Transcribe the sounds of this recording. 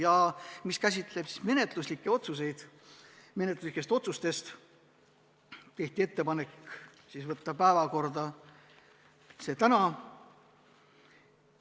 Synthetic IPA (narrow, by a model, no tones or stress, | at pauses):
jɑmiskæsʲit̪ˑle̞b̥si̥sme̞ne̞t̪ˑluslikːe̞o̞t̪suse̞jd̪̥ | me̞net̪luslikːˑest̪o̞t̪sust̪e̞st̪ | t̪e̞ht̪iet̪ːe̞pɑne̞kː | sisvɤt̪ːɑpæevɑko̞rd̪ɑ | se̞t̪ænɑ